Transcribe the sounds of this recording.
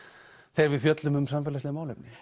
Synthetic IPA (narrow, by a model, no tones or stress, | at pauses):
θejɾvɪðfjœt̪lʏmʏmsanfɛːlaslɛɣmaːwlɛpnɪ